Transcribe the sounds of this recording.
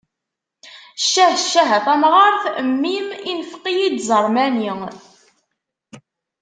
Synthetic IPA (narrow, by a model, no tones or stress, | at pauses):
ʃːæhʃːæɦæθæmʁəɾˤθmːiminfqijid̪zˤəɾˤmæni